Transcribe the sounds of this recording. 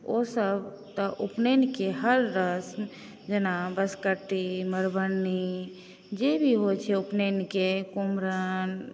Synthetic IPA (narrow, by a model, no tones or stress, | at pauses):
osəb | t̪əʔupnenikeɦəɾːəsm | d͡ʒenabəskəʈːiməɾbənːi | d͡ʒebʱiɦot͡ʃʰɛupnenikekumɾən